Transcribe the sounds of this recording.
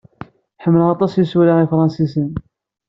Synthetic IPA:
ħəmːləʁɑt̪ˤɑsjisuɾaifɾˤɑnsisən

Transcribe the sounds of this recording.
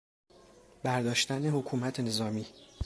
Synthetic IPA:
bæɾd̪ɒːʃt̪æne̞hokʰuːmæt̪ʰene̞zɒːmiː

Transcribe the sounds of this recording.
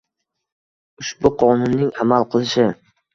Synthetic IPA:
ʊʃbʊqʰɒnʊnːɪŋamalˠqʰɨlˠɪʃɪ

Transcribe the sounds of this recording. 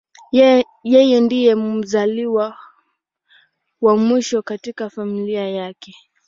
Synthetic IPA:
jɛjɛndijɛmum̩zaliwa | wamwiʃɔkatikafamiliajakɛ

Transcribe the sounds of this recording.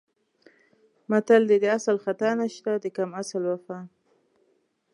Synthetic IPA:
mat̪ald̪ed̪əasalxat̪anaʃt̪ad̪əkamasəlwafa

